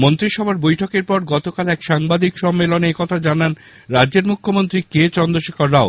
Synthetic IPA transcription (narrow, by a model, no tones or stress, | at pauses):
mont̪ɾiʃɔbʱaɾbojʈʰɔkeɾpɔɾɡɔt̪okalɛkʃaŋbad̪ʱikʃɔmːeloneekɔt̪ʰad͡ʑanan | ɾadːd͡ʑeɾmukʰːomont̪ɾiket͡ɕɔnd̪oʃekʰaɾːao